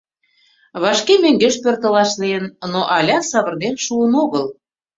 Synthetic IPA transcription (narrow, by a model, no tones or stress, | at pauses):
βɑʃkemøŋɡeʃpørt̪ə̆lɑʃleənnoʔɑlʲɑsɑβərd̪enʃuənoɣəl